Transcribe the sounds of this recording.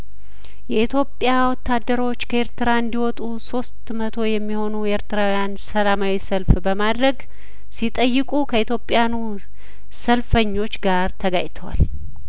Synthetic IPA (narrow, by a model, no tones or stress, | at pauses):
jɛit̪ʰjo̞pʼːjawɔt̪ːad̪ːəɾo̞t͡ʃːkʰəeɾt̪ɨɾaɨnd̪iwɔt̪ʼuso̞st̪mət̪ʰo̞jɛmːiho̞nujɛʔeɾt̪ɨɾawjansəlamawisəlfbəmad̪ɾəɡ | sit̪ʼəjːɪkʼukʰəit̪ʰjo̞pʼjanu | səlfəɲːo̞t͡ʃːɡaɾt̪ʰəɡajt̪ʰəwa̰l